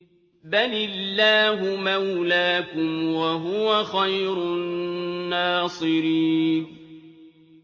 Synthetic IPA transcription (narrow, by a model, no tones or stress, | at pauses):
balɪlːaːɦʊmawlaːkʊmwaɦʊwaxajɾʊː | aːsˤɨɾiːn